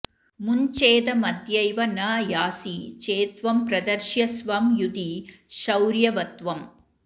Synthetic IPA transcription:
mʊɲt͡ʃeːd̪ɐmɐd̪jɐɪʋɐnɐːjaːsit͡ʃeːt̪ʋɐmpɾɐd̪ɐɾʃjɐsʋɐmjud̪iʃɐwɾjɐʋɐt̪ʋɐm

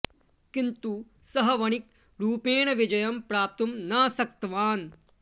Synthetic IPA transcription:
kint̪u | sɐɦɐʋɐɳ̃ik | ɾuːpeːɳɐʋid͡ʒɐjɐmpɾaːp̚t̪umnaːsɐk̚t̪ɐʋaːn

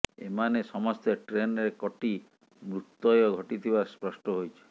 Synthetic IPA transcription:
ḛmanesɔmɔst̪eʈɾenɾekɔʈi | mɾut̪ːɔjɔɡʱɔʈit̪ʰibaspɾɔsʈɔɦojt͡ʃʰi̥

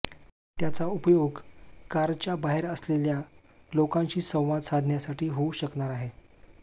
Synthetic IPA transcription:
t̪jat͡saupjoɡkaɾt͡ɕjabaɦeɾəslelja | lokãɲt͡ɕiːsə̃w̃ʋad̪sad̪ʱnjasaʈʰiːɦouɕəkɳaɾaɦe

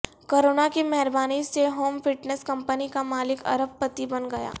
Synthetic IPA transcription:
koːɾoːnakemɛɦɛɾbaːniseɦoːmfɪʈnəskɐ̃mpənikamaːlɪkɐ̰ɾəbpət̪ibɐnɡɐja̰ː

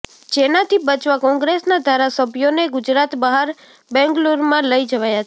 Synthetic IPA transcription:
d͡ʒenat̪ʰibət͡ʃʋakɔ̃ŋɡɾesnad̪ʱaɾasəbʱjoneɡʊd͡ʒɾat̪baɦaɾ | bɛ̃ŋɡluɾmãləid͡ʒəʋajat͡ʃ

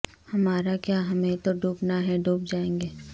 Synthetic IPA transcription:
hɐmaːɾakjaːɦɐmẽt̪oɖʱuːpnaɦɛɖʱuːp̚d͡ʒaːẽːŋɡeː

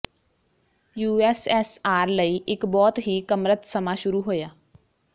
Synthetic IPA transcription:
juːɛːsɛːsaːɾləiːʔɪkbɔːt̪ɦiːkəmɾət̪səmaːʃʊɾuːɦoːjaː

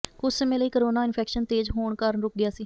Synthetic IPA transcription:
kʊt͡ʃsəmẽːləiːkəɾoːnaːɪnpʰɛːkʃənt̪eːd͡ʒɦoːɳkəɾəɳɾʊk̚ɡɪjaːsiː

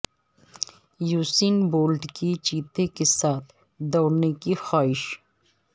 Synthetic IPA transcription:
juːsiːnboːlɖkit͡ʃiːt̪ekesaːt̪ʰ | d̪ɔːɽnekixaːɪʃ

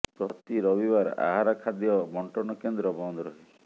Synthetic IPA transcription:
pɾɔt̪iɾɔbibaɾ̰a̰ɦaɾakʰad̪ijɔmɔɳʈɔnɔkend̪ɾɔbɔnd̪ɔɾɔɦi

